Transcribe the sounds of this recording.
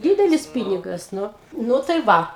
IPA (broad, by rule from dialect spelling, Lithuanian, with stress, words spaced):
ˈdʲiːdʲɛlʲɪs ˈpʲiːnʲɪɡɐs ˈnʊ ˈnʊ tɐɪ ˈʋɐ